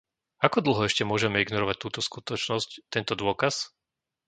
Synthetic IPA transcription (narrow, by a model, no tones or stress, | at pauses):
akɔd̪l̩ɦɔɛʃcɛmʊɔʒɛmɛiɡnɔɾɔʋac̚t̪uːt̪ɔskut̪ɔt͡ʃnɔsct̪ɛnt̪ɔd̪ʊɔkas